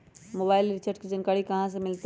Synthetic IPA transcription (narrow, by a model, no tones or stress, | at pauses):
moːbaːɪlɾit͡ɕʰɐʈkd͡ʑɐnkaːɽikɐʋ̤ãs̬ẽmɪlt̪